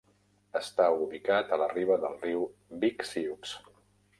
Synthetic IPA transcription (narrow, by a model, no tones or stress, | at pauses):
əst̪auβikat̪ələriβ̞əðəlˠriwbiksiuks